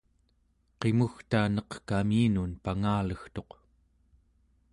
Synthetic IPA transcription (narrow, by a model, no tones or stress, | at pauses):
qe̞muxt̪aːnʌqkamiːnunpaŋaːləxt̪o̞q